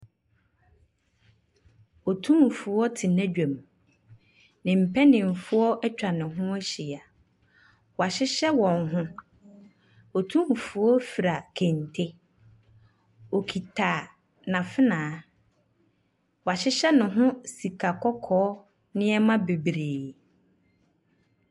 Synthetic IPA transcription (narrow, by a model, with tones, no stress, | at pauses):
ɔ˨tʰũ˦m˨fu˨ɔ˦tʰɪ˨næ̃˦d͡ʑᶣã˨m | nɪ̃˨m̩˨pʰɛ˦nɪ̃˨m̩˨fʊ˦ɔ˦ʔɛ˦t͡ɕᶣa˨nɪ̃˨ɦʊ̃˦æ˦ɕi˨a˨ | wɔ˨a˨ɕɪ˦ɕɛ˦wɔ̃˨nɦʊ̃˦ | ɔ˨tʰũ˦m̩˨fu˨ɔ˦fi˨ɾa˨kʰɛ̃˨ntʰɪ˦ | ɔ˨kʰi˨tʰa˨ | nã˨fɪ˦nãː˨˦ | wɔ˨a˨ɕɪ˦ɕɛ˦nʊ̃˨ɦʊ̃˦si˨kʰa˨kʰɔ˦kʰɔː˦ | nɪ̃˦ɛ˦mã˦be˨bɾeː˨